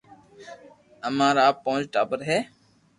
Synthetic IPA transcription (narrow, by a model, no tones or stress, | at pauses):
əmãːɾaːpõːd͡ʒʈaːbəɾɦɛː